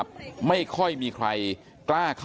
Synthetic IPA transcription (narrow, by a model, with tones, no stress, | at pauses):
p̚ma˥˩jkʰɔ˥˩jmiː˧kʰɾa˧j | klaː˥˩kʰ